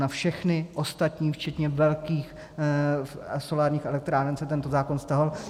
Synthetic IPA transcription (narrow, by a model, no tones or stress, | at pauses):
nafʃɛxnɪʔo̞st̪at̪ɲiːft͡ʃɛt̪ɲɛvɛlkiːx | so̞laːɾɲiːxɛlɛk̚t̪ɾaːnɛnsɛt̪ɛnt̪ozaːkonst̪aɦal